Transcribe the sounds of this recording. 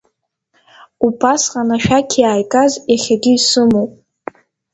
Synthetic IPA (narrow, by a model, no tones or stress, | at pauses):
upʰasqʼanaʃᶣakʲʰjaːjkʼazjaχʲaɡʲiisɨmowpʼ